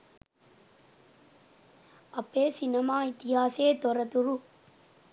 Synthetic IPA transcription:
ɐpːeːsinɐmaːit̪ɪɦaːseːt̪ɔɾɐt̪uɾu

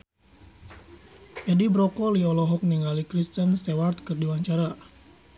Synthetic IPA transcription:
ʔɛdibɾɔkɔliɔlɔɦɔk̚niŋalikɾist̪ənsewart̪̚kɨrdiwaɲt͡ʃaɾa

